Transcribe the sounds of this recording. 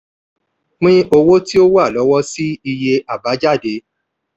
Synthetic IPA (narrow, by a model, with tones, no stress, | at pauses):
k͡pĩ˦ʔo˧wo˦ti˦o˦wa˦˨lɔ˨˦wɔ˦si˦i˧je˧ʔa˨ba˨˦d͡ʒa˦˨de˨˦